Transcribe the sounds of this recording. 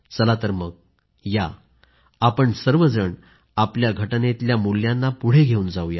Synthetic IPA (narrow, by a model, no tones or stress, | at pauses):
t͡səlat̪əɾməɡ̚ | ja | apəɳsəɾʋəd͡zəɳ | apljaɡʱəʈnet̪ljamuljãnːapuɽ̤eɡʱeuːnd͡zauja